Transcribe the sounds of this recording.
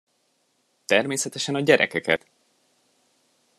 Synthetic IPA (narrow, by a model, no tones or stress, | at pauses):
t̪ɛrmeːsɛt̪ɛʃɛnɒɟɛɾʔɛ̰kɛkɛ̰t̪